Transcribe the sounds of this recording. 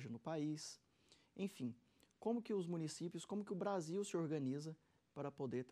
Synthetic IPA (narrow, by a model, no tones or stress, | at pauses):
ʒɐnʊpais | ẽj̃fĩ | kõmʊkɪʊzmũnisipjʊskõmʊkɪʊbɾaziwsɪoɾɡɐ̃nizɐ | paɾɐpod̪eɾt̪